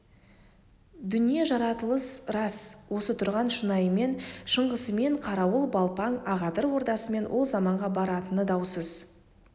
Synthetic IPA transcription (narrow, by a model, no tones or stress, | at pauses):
d̪ʏnije̞ʒɑɾɑt̪əlˠəsrɑswo̞sət̪ʰʊɾʁɑnʃənɑjəme̞nʃəɴʁəsəme̞ɴqʰɑɾɑwəlˠbɑlˠpɑŋɑʁɑd̪əɾwo̞ɾd̪ɑsəme̞nwʔo̞lˠzɑmɑɴʁɑbɑɾɑt̪ənəd̪ɑwsəz